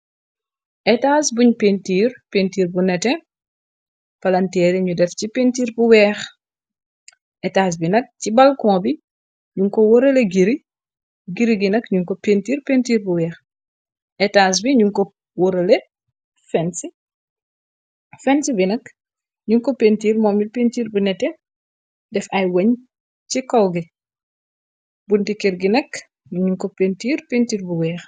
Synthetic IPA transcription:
ʔɛtaːsbuɲpentiːrpentiːrbunɛtɛ | pɐlɐntɛːɾiɲudɛfcipentiːrbuwɛːx | ʔɛtaːs̬binɐk̚cibɐlkɔ̃ːbi | ɲuŋkɔwɔɾɐleɡiɾi | ɡiɾiɡinɐkɲuŋkɔpentiːrpentiːɾbuwɛːx | ʔɛtaːs̬biɲuŋkɔ | wɔɾɐlɛ | fɛnsi | fɛnsibinɐk | ɲuŋkɔpentiːrmɔːmipeːntiːrbunɛtːɛ | dɛfɐjwɐɲ | cikɔwɡi | buntikiɾɡinɛk | ɲuŋkɔpentiːrpentiːrbuwɛːx

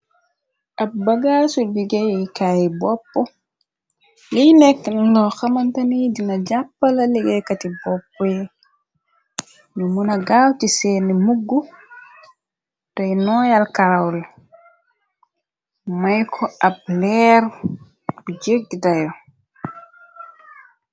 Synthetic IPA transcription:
ʔabbaɡasuliɡɛjkajibɔpːɔ | lijnɛkːnlɔxamantanidinad͡ʒapːalaliɡɛkatibɔpːɔjɛ | numunaɡawtisɛnɛmuɡːu | tɔjnɔjalkaɾawla | majkʰɔab̚lɛɾ | d͡ʒeɡdajɔ

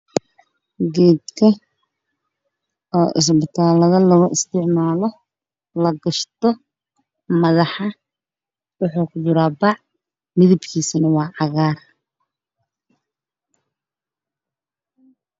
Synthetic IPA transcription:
ɡɛːd̪kʰɐ | ɔːʔɪs̬bɪt̪ʰaːlɐðɐlɐɣʊʔɪst̪ʰɪʕmaːlɔ | lɐɡɐʃt̪ɔ | mɐðɑħɑ | wʊħuːkʊd͡ʒɪɾaːbɑʕ | mɪðɪbkʰiːsɪnɐwɑːʕɑɣaːr

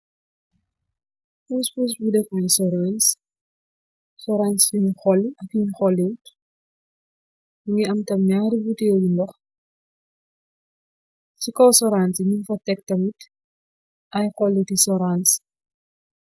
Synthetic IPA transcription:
puspus̬budɛfɔjsɔɾans | sɔɾansiɲxɔlːʔɐkiɲxɔlːit | uŋɛɐmtɐmɲaːɾibutɛwjundɔx | cikɔwsɔɾansiɲinfɐtɛk̚tɐmit | ʔɐjxɔlːutisɔɾans

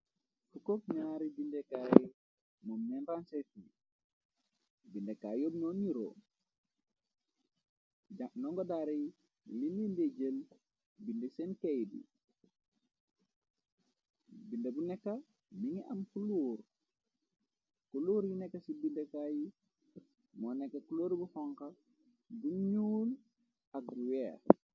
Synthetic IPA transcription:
fukokɲaːɾibindekaːjɛ | mɔmːɛnɾansefi | bindekajobnoniɾo̰ | d͡ʒanɔŋɡɔdaːɾe | linindeɟəl | bindesenkejdḭ | bindɐbunɛkːa | miŋiɐmkuluːɾ | kuluːɾjinɛkːɐsibindekaːji | mɔːnɛkːɐkuloːɾbuhɔŋkɐ | buɲuːn | ɐk̚uwɛːɾ

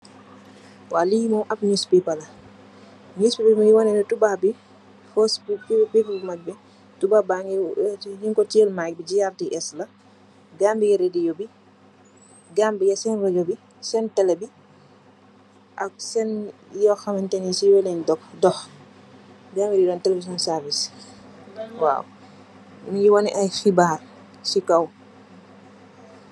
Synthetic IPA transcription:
waːlijmɔmʔɐp̚ɲuspipɐlɐ | ɲuspipalmiŋiwɔnɛnɛtubabi | fɔsppiplmɐbɛ | tubabaŋijiŋkɔtɛlmak̚bid͡ʒijartiʔɛslɐ | ɡambijɛɾɛdijɔbi | ɡambijɐsɛnrɔd͡ʒobi | sɛntɛlɛbi | ʔɐk̚sɛnjɔxɐmɐntɛnisiwɛleɲdɔk̚dɔx | ɡaːmbididɔntɛlevis̬iɔnsɛɾvis | wa̰ːw | mijiwɐniʔɐjxibaːr | sikɐw

